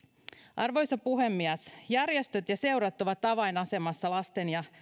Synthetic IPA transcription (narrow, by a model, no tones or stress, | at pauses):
ʔɑrʋo̞jsɑpuɦe̞mːiæsjærjest̪øt̪jɑse̞uɾɑt̪ːoʋɑt̪ːɑʋɑjnɑse̞mɑsːɑlɑst̪e̞njɑ